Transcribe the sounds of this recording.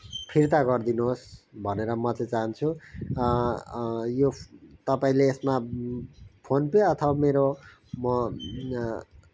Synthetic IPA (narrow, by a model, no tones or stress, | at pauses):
pʰirt̪aɡʌrd̪inuɦosbʱʌneɾʌmʌt͡sʌ̃t͡saɦʌnt͡sʰu | jot̪ʌpaĩleːsma | pʰonpeʌt̪ʰʌbameɾo | mʌ